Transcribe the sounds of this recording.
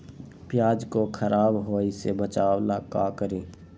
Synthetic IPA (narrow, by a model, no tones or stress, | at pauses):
pjaːd͡ʒkokʰəɾaːbɦoːisebət͡ʃaːwlakaːkəɾiː